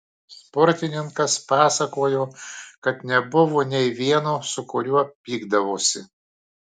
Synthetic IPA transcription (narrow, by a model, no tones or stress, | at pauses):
spɔɾʲt̪ʲɪnʲɪŋkɐspɑːsɐkoːjoːkɐt̪nʲɛbʊʋonʲɛɪʋʲiɛnosʊkʊɾʲʊɐpʲiːɡd̪ɐʋoːsʲɪ̰